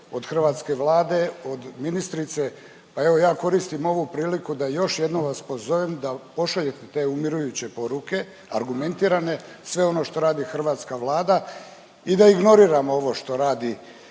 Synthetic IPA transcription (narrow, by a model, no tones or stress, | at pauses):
o̞d̪xr̩ʋaːt̪ske̞ʋlaːd̪e̞o̞d̪minist̪ɾit̪se̞ | pae̞ʋo̞jaːko̞ɾist̪imo̞ʋupɾiːlikud̪ajo̞ʃje̞d̪noʋaspo̞zo̞ʋemd̪apo̞ʃaʎe̞t̪et̪e̞ːumiɾujut͡ɕe̞po̞ɾuke̞ | a̰ɾɡume̞nt̪iːɾane̞ | sʋe̞o̞no̞ʃt̪o̞ɾaːd̪ixr̩ʋaːt̪skaʋlˠaːd̪a | id̪aiɡno̞ɾiːɾamoo̞ʋo̞ʃt̪o̞ɾaːd̪i